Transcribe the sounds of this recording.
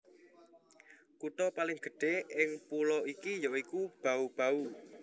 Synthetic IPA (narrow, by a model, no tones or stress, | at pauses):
kut̪ɔpalɪŋɡ̥ə̤ɖ̥e̤ɪŋpulɔikijɔʔikub̥aub̥a̤u